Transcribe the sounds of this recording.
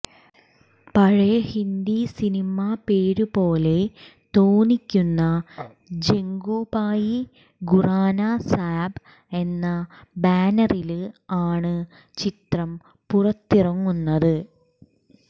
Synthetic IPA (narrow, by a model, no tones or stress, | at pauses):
pɐɻehind̪isinimape̞ːɾupo̞ːle̞t̪oːnikʲːunːɐ | d͡ʑe̞ŋɡuːbaːji | ɡuraːnasaːb | e̞nːɐbaːnɐrilaːɳɨ | t͡ɕit̪rɐm | purɐt̪ːirɐŋːunːɐðɨ